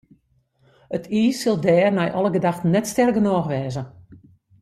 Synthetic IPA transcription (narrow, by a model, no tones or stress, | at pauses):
ətʰiːsɪlˠdɛːrnɛjʔɔlˠəɡədaxtnɛtstɛrɡənɔːxʋɛːzə